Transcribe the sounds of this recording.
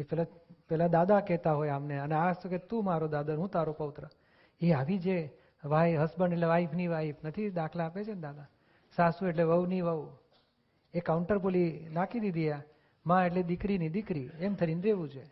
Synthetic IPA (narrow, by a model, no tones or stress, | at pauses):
epɛlapɛlad̪ad̪akɛɦt̪aɦojamneəneasoket̪ũmaɾod̪ad̪aɦũt̪aɾopəʋt̪ɾə | eaʋid͡ʒe | ʋaiɦəsbəɳɖeʈleʋaifniʋaifnət̪ʰid̪akʰlaːpet͡ʃʰend̪ad̪a | sasũeʈleʋəʋniʋəʋ | ekaʊɳʈəɾpolinakid̪id̪ʱija | mãeʈled̪ɪkɾinid̪ɪkɾiemt̪ʰəɾinɾeʋũt͡ʃʰe